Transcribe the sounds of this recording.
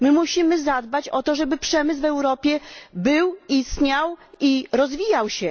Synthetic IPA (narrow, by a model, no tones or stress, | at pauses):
mɘmuɕimɘzad̪bat͡ɕɔt̪ɔʐɛbɘpʂɛmɘsvɛwɾɔpʲjɛbɘwist̪ɲawiɾɔzvʲijawɕɛ